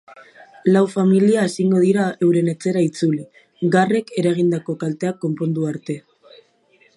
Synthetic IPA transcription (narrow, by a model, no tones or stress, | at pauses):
lawfamiliaesiŋɡo̞ð̞iɾae̞wɾe̞ne̞t͡se̞ɾait͡suli | ɡare̞ke̞ɾaɣ̞ind̪ako̞kalt̪e̞akːo̞mpo̞nd̪uaɾt̪e̞